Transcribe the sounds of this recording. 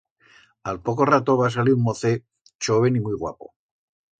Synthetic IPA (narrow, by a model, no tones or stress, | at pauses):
alpoko̞rat̪o̞βas̬aliɾuŋmoθe | t͡ʃoβe̞nimujɣwa̰po̰